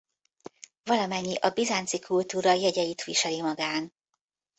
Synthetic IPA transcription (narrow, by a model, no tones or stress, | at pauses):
vɒlɒmɛɲːiʔɒbizant̪sikult̪uːɾɒjɛɟɛjit̪ʋiʃɛlimɒɡaːn